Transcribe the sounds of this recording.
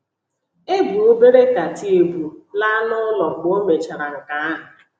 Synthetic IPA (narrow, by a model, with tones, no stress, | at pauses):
e˦bu˨o˦be˦ɾe˦ka˨ti˦e˨bu˨la˦nʊ˦lɔ˨ɡ͡bo˦me˨t͡ʃa˨ɾa˨ŋ̩˨ka˨a˦ɦʊ˨